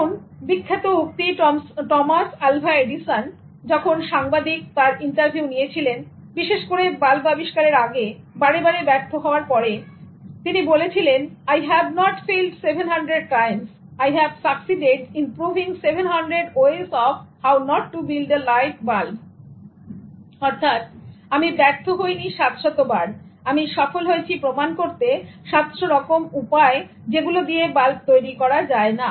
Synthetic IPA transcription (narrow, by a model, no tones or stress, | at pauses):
onbikʰːet̪ouk̚t̪iʈɔmasalbʱaeɖisan | d͡ʑɔkʰonʃaŋbad̪ik̚t̪aɾiɳʈaɾbʱiunijet͡ɕʰilen | biʃeʃkoɾebalbabiʃkaɾeɾaɡe | baɾebaɾebɛɾt̪ʰoɦɔoaɾpɔɾe | t̪inibolet͡ɕʰilenajɦɛbnɔʈfelɖsebʱenɦaɳɖɾeɖ̚ʈajms | ajɦɛbfaksiɖeʈimpɾuvʱiŋsebʱenɦanɖɾeɖoesɔfhawnɔʈːubilɖ̪elajfbal | ɔɾt̪ʰat̪̚amibɛɾt̪ʰoɦojniʃat̪ʃɔt̪ːobaɾamiʃɔfolɦoet͡ɕʰipɾomankoɾt̪eʃat̪ʃoɾɔkomupae | d͡ʑeɡulod̪iebalb̚t̪ojɾikɔɾad͡ʑaena